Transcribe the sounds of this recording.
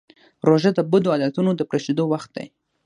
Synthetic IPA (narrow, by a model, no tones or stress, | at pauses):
ɾoʒad̪əbud̪oad̪at̪unod̪əpɾeʃed̪owaxt̪̚d̪a̰j